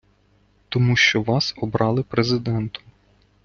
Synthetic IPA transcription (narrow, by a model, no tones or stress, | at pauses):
t̪ɔmuʃt͡ʃɔʋɑsɔbɾɑlˠɪpɾezɪd̪ɛnt̪ʊ̥